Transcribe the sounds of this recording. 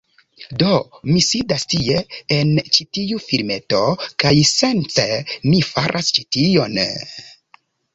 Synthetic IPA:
domisidastie̞ent͡ʃitiufiɾme̞to̞kajse̞npemifaɾʔast͡ʃitio̞n

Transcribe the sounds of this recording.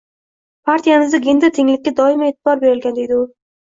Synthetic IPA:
pʰaɾt̪ʰijamɪzd̪aɡʲend̪ɪɾt̪ʰɪŋlɪkʲːad̪ɒɪmaeːt̪ʰɪbɒɾbe̞ɾɪlɡʲand̪e̞jd̪ɪʊ

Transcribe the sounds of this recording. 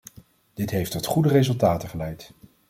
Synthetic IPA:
d̥ɪtɦejftɔtχudərezɵlˠtaːtəχəlɛjt

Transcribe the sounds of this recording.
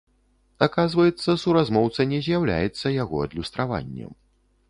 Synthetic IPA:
akazvɐjɛt̪sːɐsuɾazmɔwt̪sɐnʲɛzʲjawlʲa̰jɛt̪sːɐjaɣɔɐd̪lʲust̪ɾava̰nʲːɛ̰m

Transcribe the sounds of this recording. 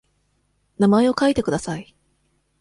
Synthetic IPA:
namae̞o̞kait̪e̞kɯ̟d̪asai

